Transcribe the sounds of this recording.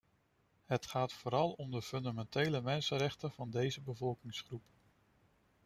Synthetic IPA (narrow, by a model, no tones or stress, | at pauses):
ɦətχaːtfoːɾɑlˠɔmdəfɵndamɛntejləmɛnsənɾɛχtəv̥ɑndejzəbəvɔlˠkɪŋsχrup